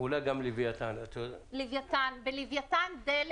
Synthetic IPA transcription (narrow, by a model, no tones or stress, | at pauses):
ulajɡamlivjat̪anat̪ʰolivjat̪anbelivjat̪and̪el